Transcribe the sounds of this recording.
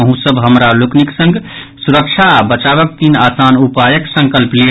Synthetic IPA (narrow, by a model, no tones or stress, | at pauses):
əɦũsəbʱɦəmɾalokniksə̃ŋɡ | suɾək̚t͡ʃʰabət͡ʃaβək̚t̪inasanupajəksə̃ŋkəlple